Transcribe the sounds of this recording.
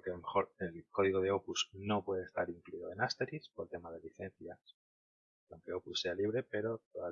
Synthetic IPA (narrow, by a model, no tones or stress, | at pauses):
kealome̞xo̞ɾe̞lko̞ðiɣo̞ð̞e̞o̞puzno̞pwe̞ðest̪aɾiŋkluiðoe̞nast̪eɾispo̞ɾt̪e̞maðe̞liθe̞nθjas | kawŋke̞o̞pussːe̞aliβ̞ɾe̞pe̞ɾo̞t̪oða